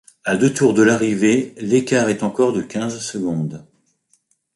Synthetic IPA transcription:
ad̪øt̪uʁd̪əlaʁivelekaʁɛt̪ɑ̃kɔʁd̪əkʲɛ̃zsəɡɔ̃d̪

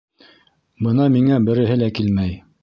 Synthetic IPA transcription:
bɤnɑmiŋæbɘ̆ɾɘ̆ɦɘlækilmæj

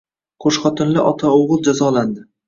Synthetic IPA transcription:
qʰoʃχɒt̪ʰɪnlɪʔɒt̪ʰaoʁɨlˠd͡ʒazɒland̪ɪ

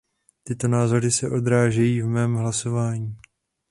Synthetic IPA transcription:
t̪ɪt̪o̞naːzo̞ɾɪsɛʔo̞d̪ɾaːʒɛjiːvmɛːmɦlaso̞vaːɲiː

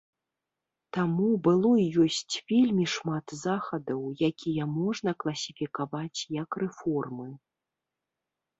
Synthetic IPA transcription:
t̪amubɨlˠɔijɔsʲt͡sʲvʲelʲmʲiʂmat̪zaxɐd̪ɐwjakʲʰijɐmɔʐnɐklˠɐsʲifʲikavat͡sʲjɐkrɛfɔrmɨ

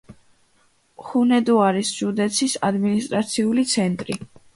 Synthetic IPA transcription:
χunɛd̪uaɾisd͡ʒud̪ɛt̪sʰisad̪minist̪ʼɾat̪sʰiulit̪sʰɛnt̪ʼɾi

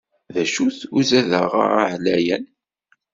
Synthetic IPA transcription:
ðæʃuθuzæðəʁə̰ɾa̰ʕlæjən

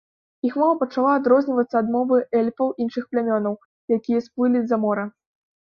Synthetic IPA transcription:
ixmalˠɐpɐt͡ʂalˠaːd̪ɾɔzʲnʲivɐt̪sːɐːd̪mɔvɨɛlʲfɐwʔinʂɨxplʲamʲɔnɐw | jakʲijɐsplɨlʲizɐmɔɾɐ

